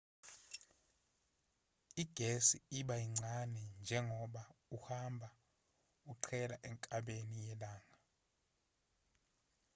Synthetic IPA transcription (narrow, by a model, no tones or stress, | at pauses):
iɡ̥ʱesiiɓaiŋ͡ǀʱanɛnd͡ʒʱɛŋɔɓauhambʱa | uǀʰɛlaʔɛŋkʼaɓenijɛlaːŋa